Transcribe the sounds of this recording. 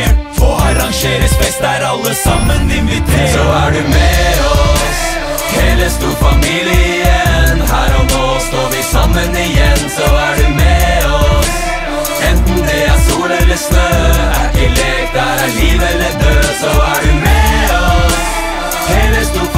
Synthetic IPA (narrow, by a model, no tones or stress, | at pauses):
fɔɑɾɑŋʂeːɾəsbɛsd̪æɾɑlːəsɑmːənɪnʋɪt̪ʰesɔæɖʉmɛɔs | hɛləst̪uːɾfɑmiːlɪənhæːɾɔnoːst̪oːɾʋɪsɑmːənɪjɛnsɔæɖʉmeɔs | ɛnt̪n̩d̪ɛæsuːlɛlːəsnøːæɛlɛ | t̪æliːʋɛlːəd̪øːsɔæɖʉmɛɔs | hɛləst̪uː